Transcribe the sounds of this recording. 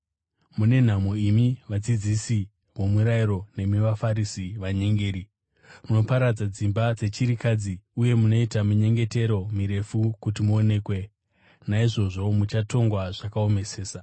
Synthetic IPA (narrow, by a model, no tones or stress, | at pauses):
mune̞n̤amoimiʋad͡zid͡zisi | wo̞muɾaiɾo̞ne̞miʋafaɾisiʋaɲe̞ŋɡe̞ːɾi | muno̞paɾad͡zad͡zimbad͡ze̞t͡ʃiɾikad͡ziuje̞muno̞itamuɲe̞ŋɡe̞te̞ɾo̞miɾe̞fukutimuone̞ːkwe̞ | naiʐo̞ʐo̞mut͡ʃato̞ŋɡwaʐakao̞me̞se̞ːsa